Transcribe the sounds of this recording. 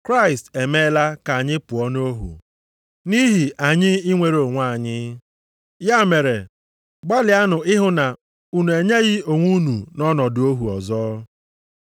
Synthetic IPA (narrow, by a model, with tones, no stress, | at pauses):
kɾa˦ɪ˨ste˨me˦la˦ka˨a˨ɲɪ˦pʊ˨ɔ˦n˦o˦ɦṵ˨ | ni˦ɦi˨ʔa˨ɲɪ˦ɪ˦ŋʷe˨ɾo˨ŋʷa˦˨ɲɪ˦ | ja˦me˨ɾe˨ | ɡ͡ba˦lɪ˨a˦nʊ˨ɪ˦ɦʊ˦na˨ | u˦nu˨e˨ɲe˦ɣɪ˦o˨ŋʷu˦nu˨nɔ˦nɔ˨dʊ˨o˦ɦu˨ɔ˨zɔː˦